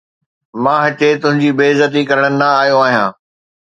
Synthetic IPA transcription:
mãːɦɐt͡ɕet̪ʊ̃ɦɪ̃ɲd͡ʑiːbeːzət̪̬ikɐɾəɽ̃ənɪ̆nɐaːɦijoaːɦijãː

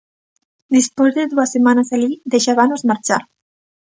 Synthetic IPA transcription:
d̪ispwezðeðuasemanasaʎid̪eʃaβanozmaɾt͡ʃa̰ɾ

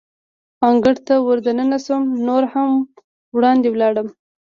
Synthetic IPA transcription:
ɑŋɡəɽt̪awəɾd̪anənasəmnoɾham | wɽɑnd̪ewlɑɽəm

